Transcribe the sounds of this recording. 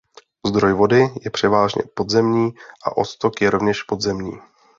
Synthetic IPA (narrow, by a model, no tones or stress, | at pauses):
zd̪ɾo̞jvo̞dɪjɛpr̥ɛvaːʒɲɛ̰po̞d̪zɛmɲiːʔa̰ʔo̞t̪st̪okjɛɾo̞vɲɛʃpo̞d̪zɛmɲiː